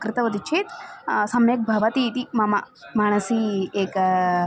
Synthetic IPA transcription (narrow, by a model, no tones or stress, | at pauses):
kɾɨt̪ɐʋɐd̪it͡ʃʰeːt̪sɐmnek̚bʱɐʋɐt̪iːt̪imɐmɐ | maːɳ̃ɐsieːk